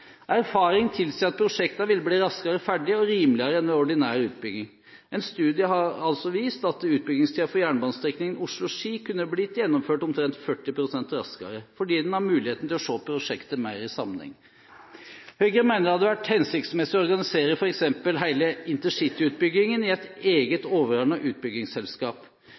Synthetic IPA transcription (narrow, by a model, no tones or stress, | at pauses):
ʔæɾfɑːɾɪŋt̪ʰɪlsiːɑt̪̚pʰɾʊʂɛkt̪ɑʋɪlːəbliːɾɑskəɾəfæɖɪəɔɾiːmlɪəɾəɛnʋɛɔɖɪnæːɾʉːt̪̚bʏɡɪŋ | ʔɛɪnst̪ʉːd̪ɪəɦɑɾɑlsɔʋiːst̪ɑt̪̚d̪ɛʉːt̪̚bʏɡɪŋst̪ʰiːʋɑfɔɾjæːɳbɑːnst̪ɾɛknɪŋən̩ʊʂlʊʂiːkʰʉnːəblɪt̪jɛnːɔmføːʈɔmt̪ʰɾɛnt̪fœʈːɪpʰɾʊsɛnt̪ɾɑ̰skɑ̰ɾəfɔɖiːd̪ɛnhɑɾmʉːlɪheːt̪n̩t̪ɪlɔʂoːpʰɾʊʂɛkt̪əmæɪɾɪsɑmnɛ̰ŋ | hœʏɡəɾəmæɪnəɾɑd̪ːɛʋæʈhɛnsɪk̚t̪smɛsɪɔɔɾɡɑnɪseːɾəfɔɾɛksɛmpəlɦæɪləɪnt̪əʂɪt̪ːɪʉːt̪̚bʏɡɪŋənɪɛt̪eːɡət̪oːʋəɾɑɳɑʔʉːt̪̚bʏɡɪŋsɛlskɑːp